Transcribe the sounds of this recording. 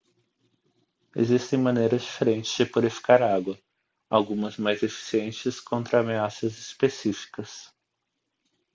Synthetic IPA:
ḛzist̪ẽj̃mɐ̃nejɾɐzd͡ʒifeɾẽnt͡ʃɪ̥z̥d͡ʒɪpuɾifi̥kaɾaɡwɐ | awɡũmɐzmajzefi̥siẽnt͡ʃɪskõnt̪ɾɐːmeasɐzispesifi̥kɐs

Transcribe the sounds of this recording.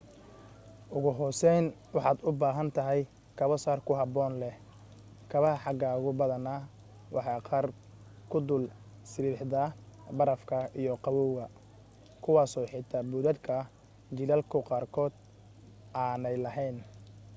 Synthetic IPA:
ʔʊɣʊɦɔːsɛjn | wɑħɑːd̪ʊbaːɦɐnt̪ʰɐɦɛj | kʰɐβɔsaːrkʰʊɦɑbɔːnlɛ | kʰɐβɐhɐħɑɡaːʊɣʊbɐðɐna | wʔɑħɑːqɑːr | kʰʊd̪ʊl | sɪɾiːħd̪ɐbɐɾɐfkʰɐijɔqɑwɔːwɣɐ | kʰʊwɑːsɔːħɪt̪ʰɐbʊðɐd̪kʰɐ | t͡ʃɪlɐlkʰʊqɑːrkʰɔːd̪ | ʔaːnɛjlɐɦɛjn

